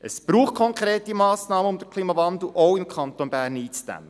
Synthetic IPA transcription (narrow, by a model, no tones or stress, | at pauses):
ʔəsb̥ɾuːχ̚kʰɔŋkɾeːt̪imɑːsnɑːməʊmd̪əɾkʰliːmɑvɑnd̪l̩ʔowɪmkʰɑnt̪onbæːɾniːt͡sd̥æ̰mːə